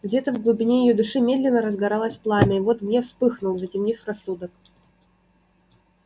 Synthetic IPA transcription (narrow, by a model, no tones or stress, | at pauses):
ɡdʲe̞t̪əvɡlˠʊbʲɪnʲejɪjod̪ɨʂɨmʲe̞d̪lʲɪnːəɾəzɡɐɾalˠəsʲplˠamʲɪivot̪mnʲefspɨxnʊlˠzətʲɪmnʲifrɐsːud̪ək̚